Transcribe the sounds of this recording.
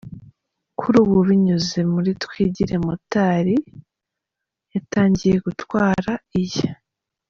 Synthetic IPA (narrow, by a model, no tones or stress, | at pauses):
kʰuɾuːβuβiɲuze̞muɾitwiːɟiɾe̞mutaːɾi | jataːɲɟije̞ɡutwaːɾaije